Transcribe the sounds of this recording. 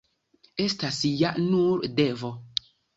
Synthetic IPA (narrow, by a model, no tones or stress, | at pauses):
estasjaʔnuɾdɛvɔ